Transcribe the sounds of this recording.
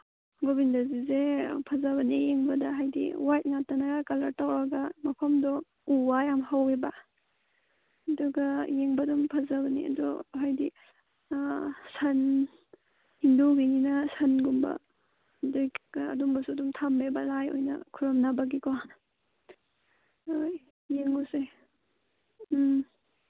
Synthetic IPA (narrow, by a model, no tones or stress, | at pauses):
ɡobindazizepʰazabɐnijeŋbɐdaɦajdḭwajt̚ŋatːanaɡakalaɾtawɾaɡamɐpʰamdɔ | uwajamɦaweba | ɐduɡajeŋbadumpʰazabɐnḭɐ̰dɔɦajdi | sɐn | hinduɡininɐsɐnɡumbɐ̰ | dojkɐ̰dumbɐsudumtʰambebɐlajo̰jnɐ̰kʰuɾɔmnabɐɡikɔn | oj | jeŋuse